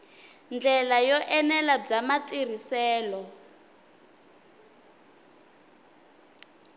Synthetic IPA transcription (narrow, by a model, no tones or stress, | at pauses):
nd͡ɮɛlajɔʔɛnɛlab͡ʐamatʼir̤isɛːlɔ